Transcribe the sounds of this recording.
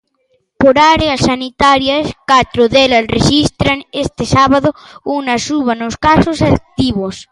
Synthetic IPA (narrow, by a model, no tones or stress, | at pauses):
poɾaɾeasːanit̪aɾjaskat̪ɾoðelasreʃist̪ɾaŋest̪esaβaðounasuβ̞anoskasosat̪iβos